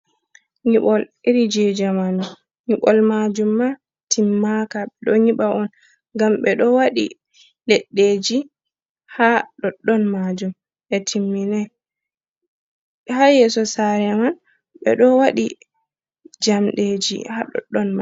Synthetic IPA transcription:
ɲiɓɔliɾid͡ʒɛd͡ʒamanu | ɲiɓɔlmad͡ʒumːa | timːakaɓɛɗɔɲiɓaʔɔn | ɡamɓɛɗɔwaɗḭ | lɛɗːed͡ʒi | haɗɔɗːɔnmad͡ʒum | ʔɛtʰimːinɛ | hajɛsɔsaɾɛman | ɓɛ̰ɗɔwaɗi | d͡ʒamɗed͡ʒḭhaɗɔ̰ɗːɔnma

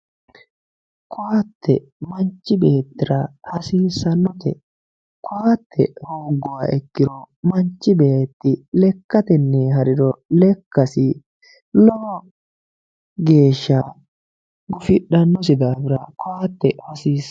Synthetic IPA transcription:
kʊaːt̪ʰːɛ̰ | mɐnt͡ʃːɪbe̞ːt̪ːɪɾɐhɐsiːsːɐnːɔt̪ʰɛ | kʊaːt̪ʰːɛhoːɡːɔwaːɛkːɪɾɔ | mɐnt͡ʃːɪbeːt̪ːɪlɛkːɐt̪ɛnːeːɦɐɾɪɾɔlɛkːɐsɪ | lɔhɔ | ɡe̞ːʃːaː | ɡʊfɪɗɐnːɔs̬ɪd̪aːbɪɾɐ̰kʊaːt̪ːɛhɐsiːs

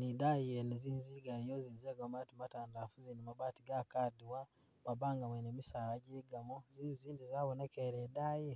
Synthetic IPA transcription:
nidajɛnizinziɡaijɔzinziaɡamatimatandafuzinimabatiɡakaduwa | mabaːŋɡamwɛnɛmisaɾaɟiɡamɔzinzindizawɔnakɛɾɛdajɛ

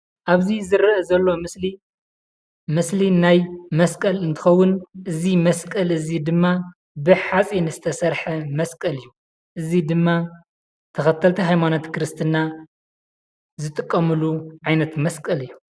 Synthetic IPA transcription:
ʔaβzizɨɾɐʔɐzɐlːo̞mɨsli | mɨslinajmɐskʼɐlɨnt̪ʰɨ̥xɐwːʊnʔɨzimɐskʼɐlɨzid̪ɨmːa | bɨħat͡sʼinɨzɨt̪ʰɐsɐɾħɐmɐskʼɐlɨjːu | ʔɨzid̪ɨmːa | t̪ʰɐxɐt̪ʰːɐlt̪ʰiɦajmanot̪kʰɾɨst̪ʰɨna | zɨt̪ʼɨkʼːɐmɨluʕajnɐt̪mɐskʼɐlɨjːu

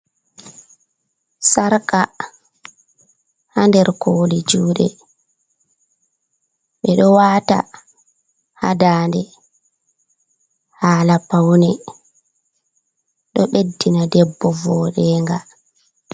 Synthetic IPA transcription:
saɾka | handɛɾkʰoːlid͡ʒuːɗɛ̰ | ɓɛɗɔwaːta̰ | ha̰daːndɛ | haːlapawnɛ | ɗɔɓedːinadɛbːɔvɔɗɛːŋɡa

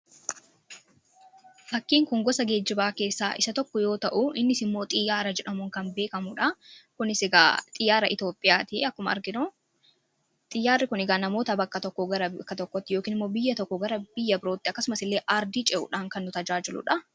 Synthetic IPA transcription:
fɐkːiːŋkʊŋɡɔsɐɡe̞ːd͡ʒːɪbaːke̞ːsːa̰ːʔɪ̰sɐt̪ɔkːɔjo̞ːt̪ɐʔʊʔɪnːɪsɪmːo̞ːt̪ʼɪjːaːɾɐd͡ʒɛᶑɐmʊŋkɐmbe̞ːkɐmʊᶑɐkʊnɪsɪɡaːt̪ʼɪjːaːɾɐʔɪt̪o̞ːpʼːɪjaːt̪ɪɐkːʊmɐɐ̰ɾɡɪno | t̪ʼɪjːaːrːɪkʊnɪɡaːnɐmo̞ːt̪ɐbɐkːɐt̪ɔkːɔɡɐɾɐkːɐt̪ɔkːɔt̪ːɪjo̞ːkiːnɪmːo̞ːbɪjːɐt̪ɔkːɔɡɐɾɐbɪjːɐbɪɾoːt̪ːɪɐkːɐsʊmɐsɪlːe̞ːʔaɾd̪iːt͡ʃʼɛʔʊ̰ᶑaːŋkɐnːʊt̪ɐd͡ʒaːd͡ʒɪlʊ̰ᶑɐ

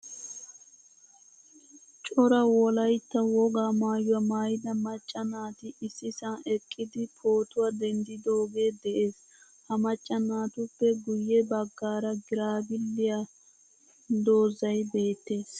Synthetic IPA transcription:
t͡ʃʼɔɾɐwɔlɐjt̪ːɐwɔɡaːmaːjʊwɐmaːjɪd̪ɐmɐt͡ʃʼːɐnaːt̪ɪɪsːɪsɐnʔɛkʼːɪd̪ɪpʰoːt̪ʊwad̪ɛnd̪ɪd̪o̞ːɡe̞ːd̪ɛʔeːs | hɐmɐt͡ʃʼːɐnaːt̪ʊpːɛɡʊjːɛbɐɡːaːɾɐɡɪɾaːbɪlːɪja | d̪o̞ːzɐjbe̞ːt̪ːe̞ːs

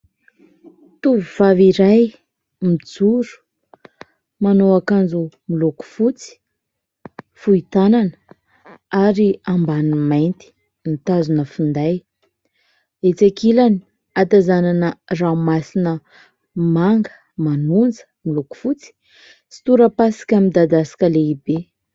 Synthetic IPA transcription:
t̪uvuv̥aviɾaj | mid͡zuɾu̥ | manoakand͡zumiluku̥fut͡si̥ | fuit̪ananə | aɾiambanimajnt̪i̥ | nit̪azunəfund̪aj | et͡sakilani̥ | at̪azananərawmasinə | maŋɡə̥ | manund͡zə̥miluku̥fut͡si̥ | si̥t̪uɾəpasi̥kʲamid̪ad̪asi̥kʲəleibe

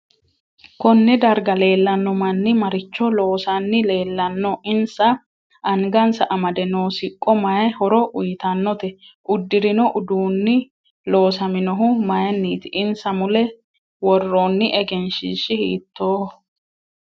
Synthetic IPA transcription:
kɔnːɪd̪ɐɾɡɐle̞ːlːɐnːɔmɐnːɪmɐɾɪt͡ʃːɔlo̞ːsɐnːɪle̞ːlːɐnːɔʔɪnsɐ | ʔɐŋɡɐnsɐʔɐmɐd̪ɛnoːsɪkʼːɔmɐjɛhɔɾɔʔʊjɪt̪ɐnːɔt̪ɛʔʊd̪ːɪɾɪnɔʔʊd̪uːnːɪ | lo̞ːsɐmɪnɔɦʊmɐjɛnːiːt̪ɪʔɪnsɐmʊlɛ | wɔrːoːnːɪʔɛɡɛnʃiːʃːɪhḭːt̪ːoː

